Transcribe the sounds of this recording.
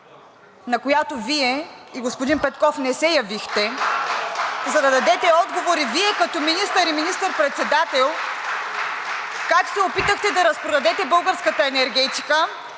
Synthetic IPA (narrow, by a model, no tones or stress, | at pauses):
nɐkojat̪oviɛiɡospʊd̪inpɛt̪kɔfnɛsɛjɐvixt̪ɛ | zɐd̪ɐd̪ɐd̪ɛt̪ɛɔd̪ɡovoɾiviɛkɐt̪ɔminist̪əɾiminist̪əɾpɾɛt̪sɛd̪at̪ɛlˠ | kakt̪sɛopit̪əxt̪ɛd̪ɐɾɐspɾod̪ɐd̪ɛt̪ɛbɤlˠɡəɾskət̪əɛnɛɾɡɛt̪i̥kə